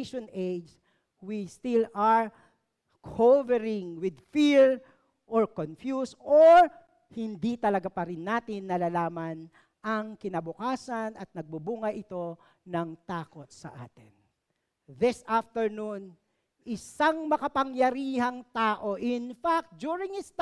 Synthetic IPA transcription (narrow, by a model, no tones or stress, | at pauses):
ʃonejd͡ʒ | wist̪ɪlɐɹ | kʰovɛɹɪŋwɪd̪fiɹ | ʔɔɹkonfjusoɹ | hɪnd̪it̪ɐlɐɡapɐɾɪnːaːt̪ɪnːɐlalaːmɐn | ʔɐŋkɪnɐbʊkaːsɐnɐt̪̚nɐɡ̚bubuːŋɐʔɪt̪o̞ | nɐŋt̪aːkot̪̚sɐ̰ʔa̰ːt̪ɪn | ðɪsaft̪ɛɹnun | ʔɪsaŋmɐkɐpɐŋjɐɾiːhɐŋt̪aːʔo̞ʔɪnfak̚t̪̚d͡ʒuːɹɪŋhɪst̪